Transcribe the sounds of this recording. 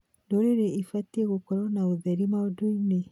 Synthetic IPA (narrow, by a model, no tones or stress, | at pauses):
noɾeɾeifatieɣokɔɾɔnaoðɛɾimaodune